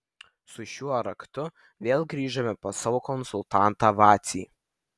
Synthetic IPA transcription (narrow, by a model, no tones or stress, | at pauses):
sʊʃʲuɔɾɐkt̪ʊ | ʋʲeːlˠɡɾʲiːʒɐmʲɛposɑːʋoːkɔnsʊlˠt̪ɑˑnt̪ɑːʋɑːt̪sʲiː